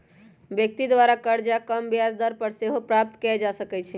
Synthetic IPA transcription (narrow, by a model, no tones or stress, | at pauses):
bjək̚t̪id̪ʋaɾakəɾd͡ʒakəmbjazd̪əɾpəɾseɦopɾap̚t̪kɛd͡ʒasəkɛt͡ʃʰɛ